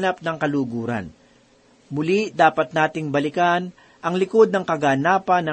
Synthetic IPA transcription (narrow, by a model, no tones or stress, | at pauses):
nɐpnɐŋkɐluːɡuːɾɐ̰n | mʊlid̪aːpɐt̪̚naːt̪ɪŋbɐlɪkan | ʔɐŋlɪko̞d̪̚nɐŋkɐɡaːnaːpɐnːɐ